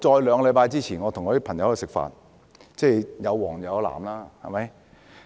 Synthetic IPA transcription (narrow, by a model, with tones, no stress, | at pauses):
t͡ʃɔː˧jlœː˨˧ŋɡɔ˧lɐ˨˧jpaː˧jt͡siː˥t͡sʰiː˨˩nŋɔ˨˧t̪ʰʊ˨˩ŋːkɔː˨˧di˥pʰɐ˨˩ŋjɐ˨˦wsɪ˨k̚fa̰ː˧t̚ | t͡sɛː˥˩jjɐ˨˧wwɔː˨˩ŋjɐ˨˧la̰ː˨˩mlaː˥hɐ̰˨˩mɐ˨˦˥j